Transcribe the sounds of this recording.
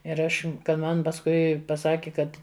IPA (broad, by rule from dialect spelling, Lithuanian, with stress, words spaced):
ɪr ˈɐʃ kɐt ˈmɐn pɐsˈkʊɪ pɐˈsɑːkʲɪ ˈkɐt